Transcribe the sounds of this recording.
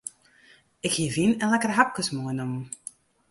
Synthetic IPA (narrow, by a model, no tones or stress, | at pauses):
ɪkhiəvinənlɛkərɦap̚kəsmujnum